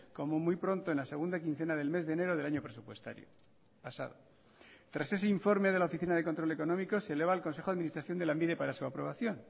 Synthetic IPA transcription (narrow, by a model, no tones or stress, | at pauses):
ko̞momujpɾo̞nt̪oenlase̞ɣ̞und̪akinθe̞naðe̞lme̞zðeːne̞ɾo̞ðelaɲopɾe̞supwe̞st̪a̰ɾjo̰ | pasa̰ðo̰ | t̪ɾase̞s̬e̞iɱfo̞ɾmeðlaofiθinaðekont̪ɾo̞le̞ko̞nõ̞miko̞sele̞βaːlko̞nse̞xoaðminist̪ɾaθjond̪elaembiðe̞paɾasuapɾo̞β̞aθjo̞n